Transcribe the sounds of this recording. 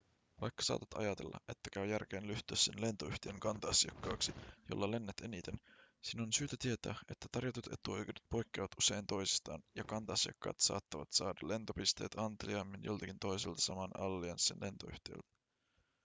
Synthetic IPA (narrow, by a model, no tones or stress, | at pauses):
ʋɑjkːɑ̥sɑ̰ːt̪ɑt̪ɑ̰jɑt̪e̞̰lːʔɑ̰ʔe̞t̪ːækæyjærk̟eːnlyht̪ˑøːsːenle̞nt̪oyht̪iøŋkɑnt̪ɑɑsiɑkːɑːksijo̰lːɑle̞nːet̪e̞nit̪e̞nsinonsyːt̪æt̪ie̞t̪æ̰ːe̞t̪ːæt̪ɑrjɑt̪ut̪e̞̰t̪uejkedyt̪̚po̞jkːeːʋɑt̪use̞nt̪o̞jsi̥st̪ɑ̰ːnjɑkɑnt̪ɑɑsiɑ̰kːɑ̰ːt̪sɑ̰ːt̪ːɑʋɑt̪sɑːdɑle̞nt̪o̞pist̪e̞̰ːt̪ʰɑnt̪eliɑmːinjo̞lt̪ɑkint̪o̞jselt̪ɑ̥sɑmɑnɑlːiɑnssḛnle̞nt̪oy̰ht̪iø̰lt̪æ̥